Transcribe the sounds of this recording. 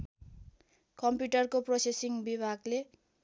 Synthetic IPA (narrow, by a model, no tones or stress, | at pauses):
kʌmpjuʈʌrkoprosesiŋbibʱaɡle